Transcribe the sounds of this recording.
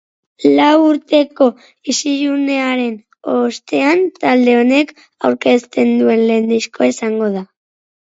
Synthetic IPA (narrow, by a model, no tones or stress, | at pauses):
lawuɾt̪e̞ko̞ | isiʎune̞aɾe̞n | o̞st̪e̞ant̪ald̪e̞o̞ne̞k | awɾke̞st̪e̞nd̪ue̞nle̞nd̪isko̞esaŋɡo̞ð̞a